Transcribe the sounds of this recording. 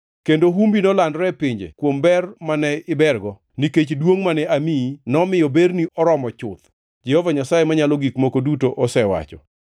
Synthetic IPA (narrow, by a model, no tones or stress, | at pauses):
kendoɦumbinɔlandɾɛpɪɲd͡ʒḛkwombɛrmanɛɪbɛrɡɔ | niket͡ʃdwoŋmanɛaminɔmɪjɔbeɾniʔɔɾɔmɔt͡ʃʊt̪ | d͡ʒɛhɔvaɲasajemaɲalɔɡikmokodutoʔɔsɛwa̰t͡ʃɔ̰